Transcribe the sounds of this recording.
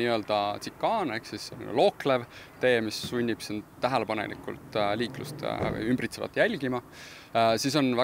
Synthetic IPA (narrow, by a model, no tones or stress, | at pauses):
iø̞ld̪̥ɑt̪sikːɑːneksisːonlo̞ːkle̞vt̪e̞ːmisːunʲːib̥sint̪ːæɦele̞pɑnḛlḭkːˑṵlt̪liːklṵst̪ymbrit̪sevɑ̰t̪jælʲɡ̥imɑ | sis̬o̞nvæ